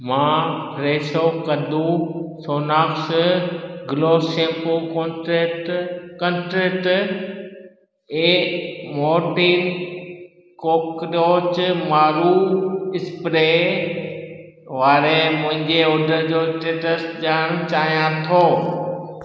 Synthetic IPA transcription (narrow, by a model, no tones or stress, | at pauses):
mãːɾeːʃokɐd̪ʱũsoːnaːks | ɡloːʃẽːkoko | kə̃nʈɾeːʈ | eːmoːɾʈiːn | koːkɾoːt͡ɕmaːɾuɪspɾe | ʋaːɾemʊ̃ɦɪ̃ɲd͡ʑeoːɖʱəɾd͡ʑosʈeːʈəsʄaːɽ̃t͡ɕaːɦijãt̪ʰoː